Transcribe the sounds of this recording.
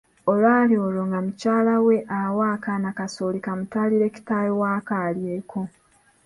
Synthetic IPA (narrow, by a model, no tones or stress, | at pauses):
olwaːlioloŋɡamucaːlawe̞ʔawaːkanakasoːlikamutaliɾe̞ːci̥taːjowaːkaːljeːkʰo̞